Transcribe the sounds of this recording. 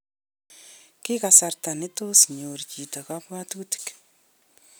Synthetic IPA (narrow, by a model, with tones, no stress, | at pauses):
ki˦kasa˨rta˨nɪ˦tosɲoɾt͡ʃi˨ta˨kapwa˦tuti̥k